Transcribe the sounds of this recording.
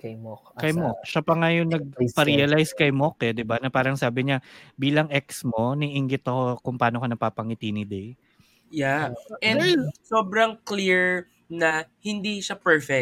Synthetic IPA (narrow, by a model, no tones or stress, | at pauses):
kɐjmokkɐjmok̚ʃɐpɐŋajoŋnɐɡ̚pɐɾiɐlajskɐjmokɛd̪ɪbanɐpaːɾɐŋsaːbɪɲabiːlɐŋɛksmo̞niʔɪŋɡɪt̪ɐko̞kʊŋpaːnokɐnɐpaːpɐŋɪt̪iːnɪd̪ɛj | jaʔɛsoːbɾɐŋkliɹ | nɐhɪnd̪iʃɐpɛɹfɛ